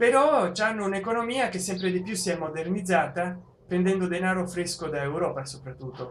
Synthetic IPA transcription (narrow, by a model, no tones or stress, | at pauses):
peɾɔt͡ʃanːounekonomiːakesːɛmpɾed̪ipjusːiɛmːod̪ernid̪zːaːt̪a | pɾend̪ɛnd̪od̪enaːɾofɾeskod̪aewɾɔːpasopɾat̪ːut̪ːo